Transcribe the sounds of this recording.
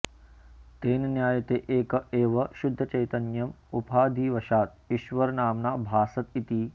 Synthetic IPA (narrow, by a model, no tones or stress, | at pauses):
t̪eːnɐnjaːjɐt̪eːʔeːkɐeːʋɐʃud̪ʱːɐt͡ʃɐjt̪ɐnjɐmupaːd̪ʱiːʋɐʃaːt̪̚iʃʋɐɾnaːmnaːbʱaːsɐt̪it̪i